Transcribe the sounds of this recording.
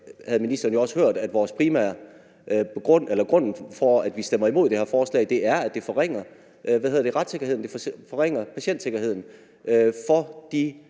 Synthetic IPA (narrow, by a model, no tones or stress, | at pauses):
hæð̞̩ˠminisd̥ɐːn̩jo̝ɒ̽sə̥høɐ̰d̥æd̥ʋɒːspʰʁiːmæ̰ɐ̰̥ | ɡ̥ɔn̰elɐɡ̥ʁɔ̽n̰n̩fɒæd̥ʋisd̥em̰ɐimo̝ð̰̥ˠehɛɐfɒːslɛ̰ɪd̥e̝ʔæɐæd̥e̝fɒʁeŋ̰ɐ | ʔʋæðhe̝ðˠɐd̥e̝ʁad̥se̝ɡ̥ɐhe̝ð̞̰ˠnd̥e̝fɒ̽ʁeŋ̰ɐpʰæɕen̰d̥se̝ɡ̥ɐɦe̝ð̞̰ˠn̩ | fɒ̽d̥i